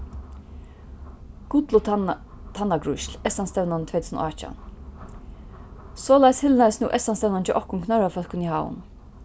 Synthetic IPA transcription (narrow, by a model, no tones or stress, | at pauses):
ɡ̥ʊt̪lʊ | t̪ʰanːaɡɹʊ̰ʃlɛsanst̪ɛwnant̪ʰvɛːt̪ʰusnɔ̰at͡ʃa̰n | soːlajshɪlnasnuːʔɛsanst̪ɛwnant͡ʃɪʔɔhkʊnkʰnœɹafœlkʊnihaːwʊ̰n